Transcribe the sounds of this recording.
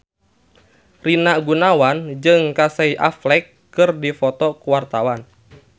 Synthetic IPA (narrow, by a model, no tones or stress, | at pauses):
rinaɡunawand͡ʒɨŋkasaiʔa̰flɛkːɨrdifɔt̪ɔkuwart̪awan